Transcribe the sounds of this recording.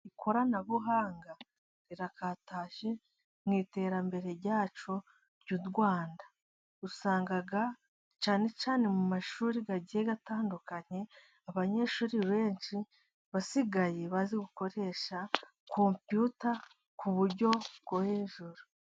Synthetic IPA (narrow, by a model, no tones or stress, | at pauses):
ikʰo̞ɾanaβuɦaːŋɡa | ɾiɾakataːʃe̞ | mŋiːte̞ːɾambe̞ɾe̞ɾɟaːt͡ʃo̞ | ɾɟudɡwaːnda | usaːŋɡaɡa | t͡ʃaːne̞t͡ʃaːne̞mumaʃuːɾiɡaɟieɡataːndukaɲe̞ | aβaɲe̞ʃuːɾiβe̞ːɲt͡ʃi | βasiɡaje̞βaziɡuko̞ɾe̞ʃa | kʰo̞mpjuta | kuβuɾɟo̞bɡoheːʒuɾu